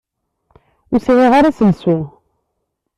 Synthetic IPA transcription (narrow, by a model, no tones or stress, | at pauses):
ʊsiʁiʁaɾasəlsu